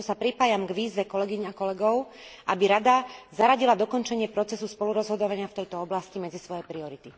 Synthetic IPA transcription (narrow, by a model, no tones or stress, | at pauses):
sapɾipaːjamɡʋiːzʋɛkɔlɛɡiɲakɔlɛɡɔʊ | ʔabiɾad̪azaɾaɟilad̪ɔkɔnt͡ʃɛɲɪɛpɾɔt͡sɛsuspɔluɾɔzɦɔd̪ɔʋaɲɪaft̪ɛjt̪ɔɔblascimɛd͡zisʋɔjɛpɾiɔɾit̪i